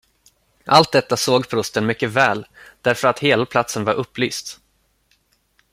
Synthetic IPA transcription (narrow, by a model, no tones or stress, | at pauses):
ʔalt̪̚d̪ɛt̪ːasoːɡpʰɾʊst̪ənmʏkːəvɛːld̪̥æɾfœɾat̪heːlapʰlat̪sənvaɾʔɵpːlyːst̪